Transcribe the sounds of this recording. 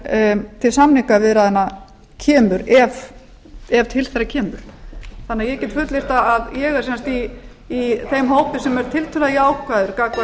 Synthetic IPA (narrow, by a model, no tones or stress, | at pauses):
t̪ʰɪlsamniŋkavɪːɾaðɛnːa | cʰɛːmʏɾɛv | ɛvt̪ʰɪlθɛɾacʰɛːmʏɾ̥θanːɪajɛcɛt̪fʏt̪leɾ̥t̪aːðjɛɣɛɾ̥sɛnst̪iː | θejmɦoːwpɪsɛmɛɾ̥t̪ʰɪlt̪ʰʏlaðiaːwkvaðʏɾkaːkva